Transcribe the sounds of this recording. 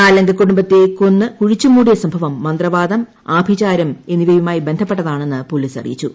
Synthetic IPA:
aːlɐŋɡʱɐkːuɽumbɐt̪ːe̞konːɨkuɻit͡ɕːumuːɽijɐsɐmbʱɐʋɐmːɐnd̪rɐʋaːd̪ɐm | aːbʱit͡ɕaːɾɐme̞nːiʋɐjumaːjibe̞nd̪ʱɐpːeʈːɐðaːɳe̞nːɨpoliːsɐ̰rḭjit͡ɕːu

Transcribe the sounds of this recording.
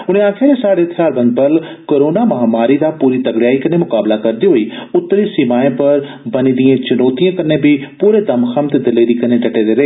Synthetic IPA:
ʊñẽːaːkʰaːɾesaːɽeːt̪ʰjaːɾbə̃nd̪̚bəlkoːɾoːnaːmɐɦaːmaːɾiːd̪aːpuːɾiːt̪əɡɽjaːikɐneːmʊkaːblaːkəɾd̪iːɦoːiːʊt̪ːɾiːsimaːẽːpəɾ | bəniːd̪ijãːt͡ʃʊnoːt̪ijãːkəneːbiːpuːɾeːd̪əmkʰamt̪eːd̪ɪleːɾiːkəneːɖəʈeːd̪eːɾəeː

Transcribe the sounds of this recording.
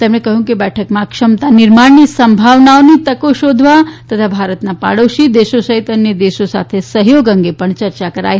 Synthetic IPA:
t̪ɛmɽ̃ẽkɐɦũŋkibɛʈʰəkmakʂɐmt̪aniɾmaɳːisəmbʱaʋnaʋnit̪ɐkoʃod̪ʱʋat̪ɐt̪ʰabʱaːɾət̪napa̰ɽəwʃid̪eːʃosəɦit̪ɐnjəd̪eːʃosa̰t̪ʰesəɦjoːɡə̃ŋɡepəɳt͡ɕɐɾt͡ʃakəɾa̰ːj

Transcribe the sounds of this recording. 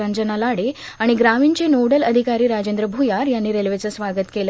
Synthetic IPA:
and͡ʑənalaɽeaɽ̃iɡɾamiːɳt͡senoɽələd̪ʱikaɾiːɾad͡ʑend̪ɾəbʱujaɾjanːiːɾelʋet͡səsʋaɡət̪kelə

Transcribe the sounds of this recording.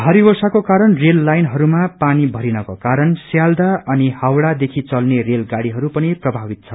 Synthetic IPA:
bʱaɾibʌrsakokaɾʌnrelːajnɦʌɾumapanibʱʌɾinʌkokaɾʌnsjald̪aʌnihawɽad̪ekʰit͡sʌlnerelɡaɽiɦʌɾupʌniprʌbʱabit̪̚t͡sʰʌ

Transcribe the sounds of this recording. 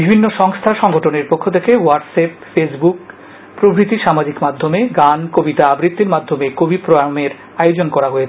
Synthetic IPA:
bibʱinːoʃɔŋst̪ʰaʃɔŋɡoʈʰoneɾpokʰːot̪ʰekewaɖsepfesbuk | pɾobɾit̪iʃamad͡ʑikmad̪ʱːomeɡankobit̪aabɾit̪ːeɾmad̪ʱːomekobipɾoameɾ | ajod͡ʑonkɔɾaɦoe

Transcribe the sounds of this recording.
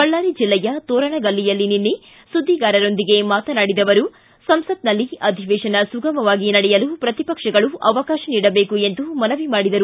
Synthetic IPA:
kɐɭːaːɾid͡ʒilːɛjɐt̪oːɾɐɳɐɡɐlːijɐlːininːi | sud̪ʱːiɡaːɾɐɾo̞nd̪iɡe̞maːt̪ɐnaːɽid̪ɐʋɐɾu | sɐmsɐd̪̚nɐlːiɐd̪ʱiʋeːʃɐnɐsuɡɐmɐʋaːɡinɐɽɛjɐlupɾɐt̪ipɐkʂɐɡɐɭuʔɐʋɐkaːʃɐniːɽɐbe̞ːkue̞nd̪umɐnɐʋimaːɽid̪ɐɾu

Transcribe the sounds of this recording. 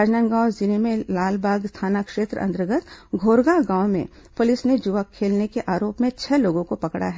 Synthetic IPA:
aːd͡ʒnə̃ŋɡãːʊzɪnimẽlaːlbʱaːɡst̪ʰaːnakʃeːt̪ɾə̰ɐ̰̃nt̪ɾəɡət̪ɡʱoːɾɡaɡãːwmḛ̃ | pʊlɪsned͡ʒʊʋakʰːeːlnekeʔaːɾoːpmẽt͡ʃʰɛloːɡõkopɐkɽa̰ɦɛ

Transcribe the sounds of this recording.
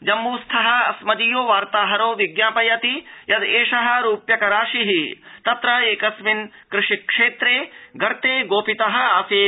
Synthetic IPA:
d͡ʒɐmːuːst̪ʰɐɦɐɐ̰smɐd̪ijoːʋaːɾt̪aːɦɐɾoːʋiɡjaːpɐjɐt̪ijɐd̪eːʂɐɦɐ̆ɾuːpjɐkɐɾaːʃiɦit̪ɐt̪ɾɐeːkɐsmin | kɾɪʂikʂeːt̪ɾeːɡɐɾt̪eːɡoːpit̪ɐɦɐ̆aːseː

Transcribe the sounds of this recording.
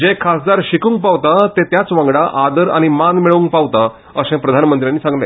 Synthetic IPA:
d͡ʑekʰasd̪aɾɕikũːŋk̚paʋt̪at̪et̪jat͡sʋãŋɡɽaʔad̪əɾa̰ɽ̃imanmiɭəuŋk̚paʋt̪a | əsẽpɾəd̪ʱanmənt̪ɾjãnːiːsãŋɡlḛ̃

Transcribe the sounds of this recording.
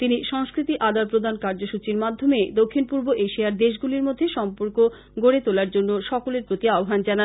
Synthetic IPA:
t̪iniʃɔŋskɾit̪iʔad̪alpɾod̪ʱankaɾd͡ʑoʃut͡ɕiɾmad̪ʱːomed̪okʰːinpuɾboʔeʃiaɾd̪eʃ̬ɡuliɾmod̪ʱːeʃɔmpoɾko | ɡoɽet̪olaɾd͡ʑonːoʃɔkoleɾpɾot̪iaoɦand͡ʑanan

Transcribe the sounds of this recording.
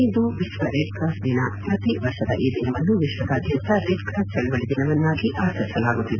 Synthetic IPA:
ind̪uʋiʃʋɐɾeːɖ̚kɾaːsd̪inɐpɾɐt̪iʋɐɾʂɐd̪ɐʔiːd̪inɐʋɐnːuʋiʃʋɐd̪aːd̪jɐnt̪ɐɾeːʈkɾaːst͡ʃɐɭuʋɐɭid̪inɐʋɐnːaːɡiʔaːsɐɾsɐlaːɡut̪ːid̪e

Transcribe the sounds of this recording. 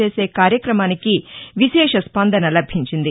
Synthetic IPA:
e̞ːse̞ːkaːɾjɐkɾɐmaːnikiʋiʃɛːʂɐspɐnd̪ʱɐnɐlɐbʱiɲt͡ʃind̪i

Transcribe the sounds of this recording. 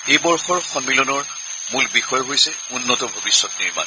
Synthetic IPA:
ejbɔɹxɔɹxɔmːilɔnɔɹ | mulbixɔjɔɦojsɛ | unːɔtɔbʱobisːɔtniɹma̰n

